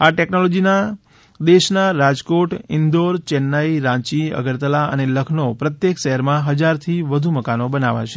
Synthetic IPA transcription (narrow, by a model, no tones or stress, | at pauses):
aʈɛknolɔd͡ʒina | d̪eʃnaɾad͡ʒkoʈɪnd̪oɾt͡ʃɛnːaiɾãt͡ʃiə̰ɡəɾt̪əlaə̰neləkʰnopɾət̪jekʃəɦəɾmãɦəd͡ʒaɾt̪ʰiʋəd̪ʱuməkanobənaʋa̰t͡ʃʰe